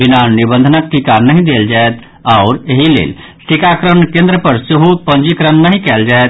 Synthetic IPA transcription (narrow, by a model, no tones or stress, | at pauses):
binanːibə̃nd̪ʱənəkːikanəɦĩd̪eld͡ʒaet̪ | aʊɾeɦilḛl | sikakɾəɳkẽnd̪ɾəpəɾseɦupə̃nd͡ʒikɾənːəɦĩkɛld͡ʒaet̪